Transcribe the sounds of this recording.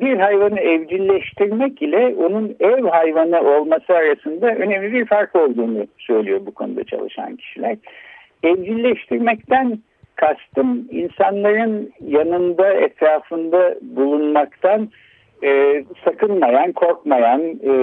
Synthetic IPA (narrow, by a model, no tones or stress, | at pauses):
biɾɦajvanɯɛvd͡ʒilʲːɛʃt̪ʰiɾmɛcilʲɛonunɛvɦajvanɯʔo̞lˠmasɯaɾasɯnd̪aø̞nemlʲibiɾfaɾko̞lˠd̪uːnusø̞jlʲijo̞bukʰo̞nṵd̪a̰t͡ʃʰa̰lˠɯ̰ʃa̰ncʰi̥ʃilʲæɾ̥ | ɛvd͡ʒilʲːɛʃt̪ʰiɾmɛc̚t̪æn | kʰast̪ɯmḭnsanlˠaɾɯnjanɯnd̪aɛ̰t̪ʰɾaːfɯnd̪abulˠunmakt̪ʰanː | sakɯnmajankʰo̞ɾkmajan